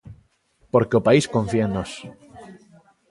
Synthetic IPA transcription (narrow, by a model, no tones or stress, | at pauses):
poɾkeopaiskõɱfjenos